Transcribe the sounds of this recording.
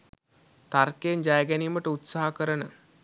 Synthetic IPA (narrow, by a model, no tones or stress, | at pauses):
t̪arkeːnd͡ʒajəɡæniːməʈəut̪saɦakəɾənə